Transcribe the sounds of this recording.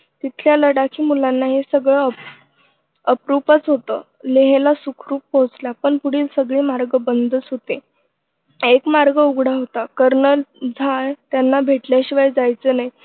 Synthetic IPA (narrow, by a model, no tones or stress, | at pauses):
t̪it̪ʰljaləɽakʰiːmulanːaɦesəɡɭəə | əpɾupət͡sɦot̪əː | leɦelasukʰɾuːpːõt͡slapəɳpuɽiːlsəɡɭiːmaɾɡəbənd̪ʱət͡sɦot̪e | ekmaɾɡəuɡɽaɦot̪akəɾnəld͡zʱaɭt̪janːabʱeʈljaɕiʋajd͡zajt͡səːnaɦj